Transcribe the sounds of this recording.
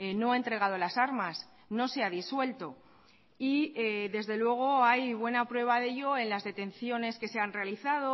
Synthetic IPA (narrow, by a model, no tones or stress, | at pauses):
no̞ae̞nt̪ɾe̞ɣ̞að̞o̞lasaɾmas | no̞seaðiswe̞lt̪o̞ | ieðe̞zðe̞lwe̞ɣ̞o̞ajβwe̞napɾwe̞β̞aðe̞ʎo̞e̞nlazðe̞t̪e̞n̟θjo̞ne̞ske̞se̞anrealiθaðo̞